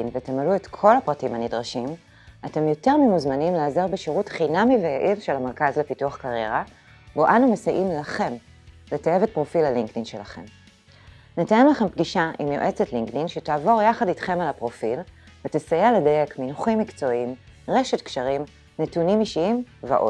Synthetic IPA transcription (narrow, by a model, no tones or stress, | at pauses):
inveatemaluetkʰo̞lhapʁatimhanidʁaʃim | ate̞mjo̞te̞ʁmimuzmanimleazeʁbeʃiʁutχinamivejaʔivʃelhameʁkazle̞pituaχkaʁje̞ʁa | boʔanumesaʔimlaχe̞m | letejevet̚pʁo̞filaliŋktinʃelaχe̞̰m | netajemlaχe̞mpɡiʃaʔimjoʔe̞t͡setliŋkdinʃetaːvo̞ʁjaχaditχe̞malapʁo̞fil | vetesajeledaje̞kminuχimːikt͡so̞im | ʁe̞ʃetkʃaʁim | netunimiʃiimvḛʔo̞̰d